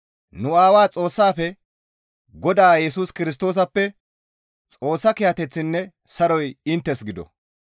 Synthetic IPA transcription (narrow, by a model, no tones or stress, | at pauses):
nʊaːwaːt͡sʼo̞ːsːaːfɛ | ɡɔd̪aːjɛsuːskɪɾɪs̬t̪oːs̬ɐpːɛ | t͡sʼo̞ːsːɐkɪjɐt̪ɛt͡sːɪnːɛ | sɐɾɔjɪnt̪ːɛsɡɪd̪ɔ̰